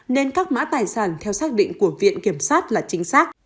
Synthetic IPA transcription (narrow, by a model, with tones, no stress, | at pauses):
ne˧nkaː˦˥k̚ma̰ː˧˥t̪aː˨˩jsaː˧˩nt̪ʰɛ˧wsaː˦˥k̚ɗḭ̈˧˨ŋ̟ku˧˩əvḭ˧˨ənki˧˩əmsaː˦˥t̚laː˨˩t͡ɕï˧ŋ̟saː˦˥k̚